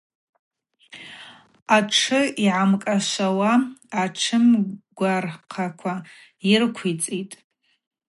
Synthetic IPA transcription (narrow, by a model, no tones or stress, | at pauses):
aʈ͡ʂʰɨiʕamkʼaʃʷawaːʈ͡ʂʰɨmɡʷarqʰakʷʰa | irkʷʰit͡sʼitʼ